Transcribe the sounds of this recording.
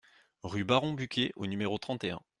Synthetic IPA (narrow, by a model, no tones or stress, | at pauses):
ʁybaʁɔ̃bykʲeʔo̰nymeʁot̪χɑ̃t̪eɛ̰̃